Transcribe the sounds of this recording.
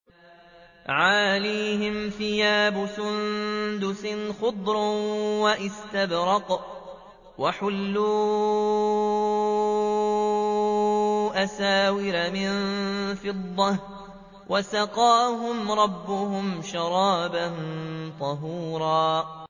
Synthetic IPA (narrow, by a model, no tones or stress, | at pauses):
ʕalaːhɪmfɪjaːbʊsʊnd̪ʊsɪnxʊd̪ˤɾwaʔɪst̪abɾɑq | waħʊlːuː | ʔasaːwɪɾamɪnfɪd̪ˤːɑh | wʔasɑqɑːɦʊmɾˤɑbːʊhʊmʃɑɾˤɑːbant̪ˤɑɦuːɾˤɑː